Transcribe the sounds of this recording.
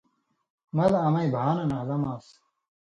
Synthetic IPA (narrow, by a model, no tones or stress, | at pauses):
mɐlɐmɐibʱaːnɐnaːlɐmaːs